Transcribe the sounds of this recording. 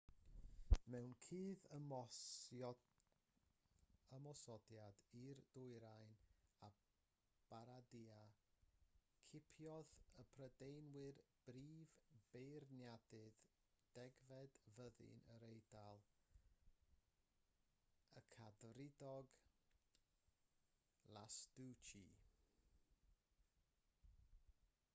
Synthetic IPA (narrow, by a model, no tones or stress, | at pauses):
mɛwnkʰiːð | əmɔsɔdjadird̥ʊɨɾajna | b̥aɾadia | kʰɪpʰjɔðəpʰrədejnwɨrb̥riːvb̥ejrnjadɨð | d̥ɛɡvɛdvəðɪ̰nəɾejdalˠ | əkʰadrɪdɔɡ | lˠasd̥ut͡ʃi